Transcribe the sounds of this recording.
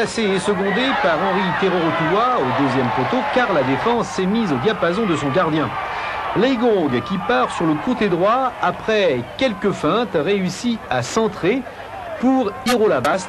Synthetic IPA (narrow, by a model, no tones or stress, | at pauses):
aseɛsəɡɔ̃d̪epaʁɑ̃ʁit̪eʁɔʁot̪uwaod̪øzjɛmfot̪okaʁlad̪efɑ̃sɛmizod̪japazɔ̃d̪əsɔ̃ɡaʁd̪jɛ̃lɛɡɔ̃ɡkʲipaʁsyʁləkot̪ed̪ʁwaapχɛkʲɛlkəfɛ̃t̪ʁeysiasɑ̃t̪χe | puʁiʁolabast̪